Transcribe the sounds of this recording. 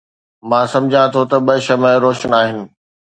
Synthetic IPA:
mãːsɐ̃md͡ʑʱãt̪ʰot̪ɐɓɐʃɐmẽɾoːʃənaːɦɪnɪ̆

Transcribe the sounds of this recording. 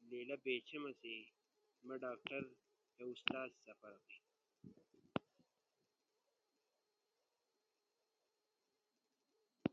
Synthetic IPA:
leːlɐbeːt͡ɕʰemɐse | mɐɖaːk̚ʈɐɾ | keust̪aːzsɐfɐɾɐti

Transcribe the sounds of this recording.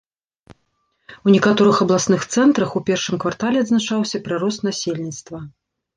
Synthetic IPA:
unʲɛkat̪ɔɾɨxɐblˠasnɨxt̪sɛnt̪ɾɐxupʲɛrʂɨmkvart̪alʲɛɐd̪znat͡ʂawsʲɐpɾɨɾɔst̪nasʲelʲnʲit̪st̪vɐ

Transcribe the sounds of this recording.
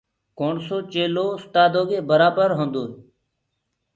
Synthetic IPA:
koːɳsoːt͡ʃeːloːʊst̪aːd̪oːɡeːbəɾaːbəɾɦõːnd̪oː

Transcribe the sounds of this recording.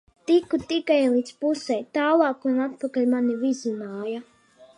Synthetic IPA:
t̪ikut̪ikajlˠiːd̪spusɛjt̪aːlˠɑːkanat̪̚pakalʲmanivizʲinaːja

